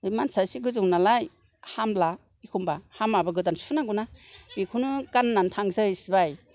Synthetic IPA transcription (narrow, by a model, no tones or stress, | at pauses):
ɯjmansasiɡɯzɯŋnalaj | hamla | ikʰumbahamabaɡɯtansunaɡunab̥ikʰunɯkanːantʰaŋzɯjsibaj